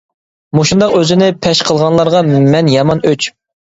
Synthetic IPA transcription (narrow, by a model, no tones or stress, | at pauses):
moʃund̪ɑqøzɪnɪpʰɛʃqʰəlˠʁɑnlˠɑɾʁɑmɛnjɑmɑnøt͡ʃ